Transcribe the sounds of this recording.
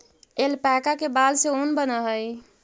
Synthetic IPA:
elpɛkakebalseonbənəɦəj

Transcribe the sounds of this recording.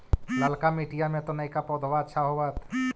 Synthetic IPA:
ləlkamiːʈijamẽt̪onɐĩkapɔːd̪ʱwaʃʰaɦoʋət̪

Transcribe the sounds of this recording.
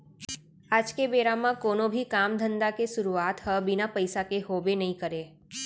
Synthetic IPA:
aːd͡ʒkebeɾamãkoːnõbʱikamd̪ʱənd̪akeʃʊɾuaːt̪həbɪnapəjsakeɦobenəɦĩkəɾe

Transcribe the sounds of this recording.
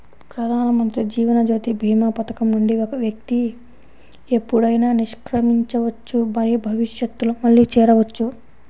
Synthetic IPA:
pɾɐd̪ʱaːnɐmɐnt̪ɾid͡ʒiːʋɐnɐd͡ʒoːt̪ibʱiːmɐpɐt̪ɐ̥kɐmnuɳɖiɔkɐʋjɐk̚t̪i | e̞pːuɽɐjnaːniʂkɾɐmiɲt͡ʃɐʋɐt͡ʃːumɐɾibʱɐʋiʃjɐt̪ːulumɐɭːit͡ʃɛːɾɐʋɐt͡ʃːu

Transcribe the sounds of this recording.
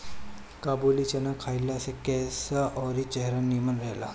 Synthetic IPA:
kabulit͡ɕənakʰːailːasekɛsaʔɔɾit͡ɕeɦɾanːimənɾəɦla̰

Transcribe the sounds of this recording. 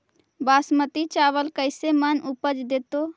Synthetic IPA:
baːsmət̪it͡ʃaʋəlkəɪsemənupəd͡ʒd̪et̪o

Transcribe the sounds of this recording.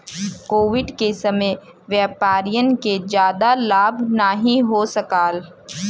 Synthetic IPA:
koːʋɪɖkesɐmə | ʋjəːpaːɾijənked͡ʒjaːd̪alaːbʱnaɦĩɦosɐkaːl

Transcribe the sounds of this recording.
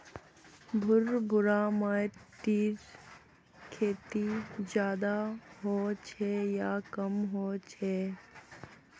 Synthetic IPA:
bʱʊɾbʱʊɾamaʈiːɾ | kʰeːt̪id͡ʒjaːd̪aɦoːt͡ʃʰɛjaːkəmɦoːt͡ʃʰɛː

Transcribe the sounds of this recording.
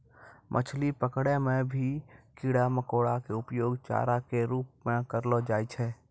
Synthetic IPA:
mʔə̰t͡ʃʰlipəkɽemẽbʱikiːɽaməkoːɽakeʊpjoːɡt͡ʃa̰ːɾakeɾuːp̚mẽkəɾlod͡ʒaːit͡ʃʰɛː

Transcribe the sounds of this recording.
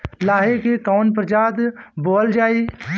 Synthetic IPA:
laːɦekekaːnpɾd͡ʒaːd̪boːld͡ʒaːiː

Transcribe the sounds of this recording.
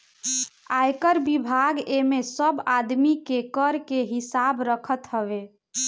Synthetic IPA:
ajkəɾbibʱaɡemesəbad̪mikekəɾkeɦisabɾəkʰət̪ɦəβe

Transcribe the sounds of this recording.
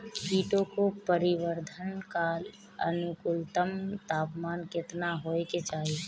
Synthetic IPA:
kʰiːʈõkopəɾɪʋəɾd̪ʱənkaːl | ə̰nʊkʊlt̪əmt̪aːpmaːnkɪt̪naɦoːeket͡ʃaːɦie

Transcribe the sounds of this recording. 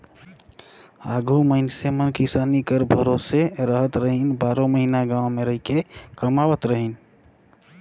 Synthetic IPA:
aɡʱuməɪnsemənkisanikəɾbʱəɾoseɾəɦət̪ɾəɦinbaɾõməɦinaɡãwmeɾəɦikekəmawət̪ɾəɦin

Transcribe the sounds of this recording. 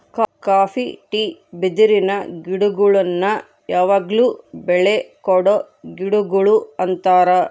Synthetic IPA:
kkaːfiʈiːbid̪iɾinɐɡiɽuɡuɭɐnːɐ | jaːʋaːɡluːbɛɭekɔɽo | ɡiɽuɡuɭuɐnt̪aːɾɐ

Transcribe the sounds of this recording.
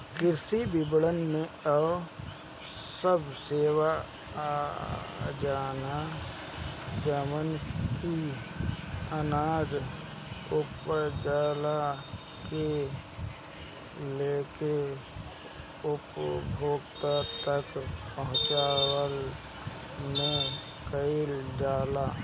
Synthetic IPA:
kɪɾsibɪbɽənmẽə | səbseːwa | d͡ʒaːna | d͡ʒəmənki | ənaːd͡ʒ | ʊpəd͡ʒaːla | ke | leːke | ʊpbʱoːɡt̪at̪əkpəɦʊ̃t͡ʃaːwəl | mẽ | kəilɖaːlaː

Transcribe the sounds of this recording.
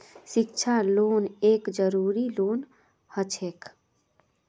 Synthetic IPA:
sɪk̚t͡ʃʰaloːneːkd͡ʒəɾuːɾiloːn | hət͡ʃʰeːk

